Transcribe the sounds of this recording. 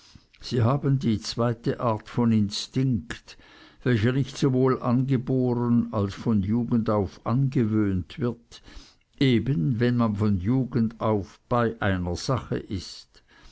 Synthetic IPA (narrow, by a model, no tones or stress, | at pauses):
z̥iːɦaːbəndiːt͡sv̥aɪtəʔaɐtfɔnɪnstɪŋkt | vɛlçənɪçtz̥ovoːlʔanɡəboːʁənalsfɔnjuːɡəndaʊfʔanɡəvøːntv̥ɪɐt | ʔeːbənvɛnmanfɔnjuːɡəndaʊfb̥aɪʔaɪnɐz̥aχə̰ʔɪst